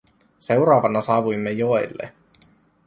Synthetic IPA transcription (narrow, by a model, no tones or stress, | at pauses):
se̞uwɾɑːʋɑnɑsɑːʋujmːejoelːḛ